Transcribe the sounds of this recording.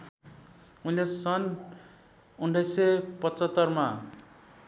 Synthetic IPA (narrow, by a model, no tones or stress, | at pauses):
unlesʌn | unɖʌjsʌpʌt͡sʌt̪ːʌrma